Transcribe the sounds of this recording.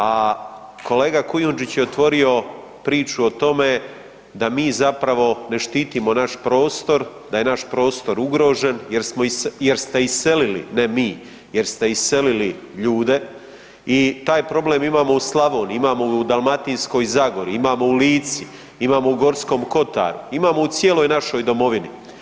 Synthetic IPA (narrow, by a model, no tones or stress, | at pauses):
akʰo̞leːɡakujund͡ʒit͡ɕjeot̪ʋo̞ɾio̞ | pɾiːt͡ʃuot̪o̞me | d̪amiːzapɾaʋo̞ne̞ʃt̪iːt̪imo̞naʃpɾo̞ːst̪o̞ɾd̪aje̞naʃpɾo̞ːst̪o̞ɾuɡɾo̞ːʒe̞njeɾsmo̞isjeɾst̪e̞isse̞lilḭne̞miː | jeɾst̪e̞isse̞liliʎuːd̪e̞ | it̪aːjpɾo̞ble̞mimaːmo̞uslˠaʋo̞ːnimaːmo̞ud̪alˠmat̪insko̞jzaɡo̞ɾiimaːmo̞uliːt̪si | imaːmo̞uɡo̞ɾsko̞ːmko̞t̪a̰ːɾuimaːmo̞ut̪sjelˠo̞ːjnaʃo̞jd̪o̞mo̞ʋinḭ